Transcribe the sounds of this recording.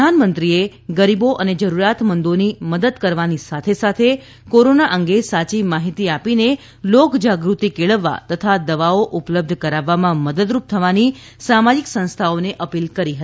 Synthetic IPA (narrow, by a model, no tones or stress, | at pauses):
anmənt̪ɾie | ɡəɾiboʔəned͡ʒəɾuɾat̪mənd̪oniməd̪əd̪kəɾʋanisat̪ʰesat̪ʰe | koɾonaʔəŋɡesat͡ʃimaɦit̪iapine | lokd͡ʒaɡɾut̪ikeɭəʋːa̰t̪ət̪ʰad̪əʋaoʔupləb̚d̪ʱkəɾaʋːamãməd̪əd̪ɾup̚t̪ʰəʋani | samad͡ʒiksə̃nst̪ʰaoneʔəpilkəɾiɦəi